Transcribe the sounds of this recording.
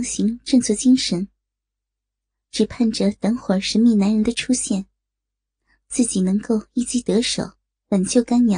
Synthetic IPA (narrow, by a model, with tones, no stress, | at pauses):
ŋɕi˧˥ŋʈ͡ʂɤ˥˧ŋt͡sʰwɤ˥˩t͡ɕi˥ŋʂə˧˥n | ʈ͡ʂɻ̩˨˩pʰa˥˩nʈ͡ʂə˩t̪ə˧˥ŋxwə˨˩ʂə˧˥nmi˥˩na˧˥nɻə˧˥nd̪ə˧ʈ͡ʂʰu˥ɕjɛ˥˩n | t͡sɹ̩˥˩t͡ɕi˨˩nɤ˧˥ŋko˥˧ʊi˥˩t͡ɕi˥˩t̪ɤ˧˥ʂo̰˨˩˦ʊ | pə˨˩nt͡ɕjo˥˩ʊka˥nnjɑ˨˧˥